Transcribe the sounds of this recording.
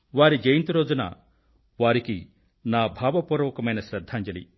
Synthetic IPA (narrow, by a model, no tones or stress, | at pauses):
ʋaːɾid͡ʒejint̪iɾoːd͡ʒunɐ̰ | ʋaːɾiki | naːbʱaːbɐpɔɾoːkɐmɐjnɐsɾɐd̪ʱːand͡ʒɐlḭ